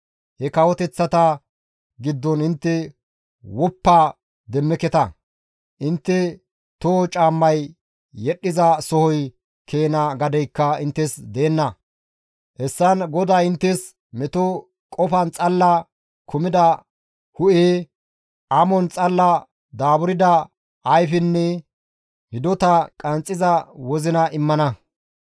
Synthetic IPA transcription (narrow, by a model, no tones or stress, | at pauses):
hɛkɐwɔt̪ɛt͡sːɐt̪ɐ | ɡɪd̪ːɔnɪnt̪ːɛ | wɔpːaː | d̪ɛmːɛkɛt̪ɐ | ʔɪnt̪ːɛ | t̪ɔt͡ʃʼaːmːɐjː | ɛɗːɪzɐsɔhɔj | kʰe̞ːnɐɡɐd̪ɛjkːɐɪnt̪ːɛsd̪e̞ːnːɐ | hɛsːɐnɡɔd̪aːɪnt̪ːɛs | mɛt̪ɔ | kʼɔfɐnt͡sʼɐlːɐ | kʰʊmɪd̪ɐ | hʊʔeː | ʔɐmɔnt͡sʼɐlːɐ | d̪aːbʊɾɪd̪ɐ | ɐjfɪnːɛ | hɪd̪ɔt̪ɐkʼɐnt͡sʼːɪzɐwɔzɪnɐʔɪmːɐnɐ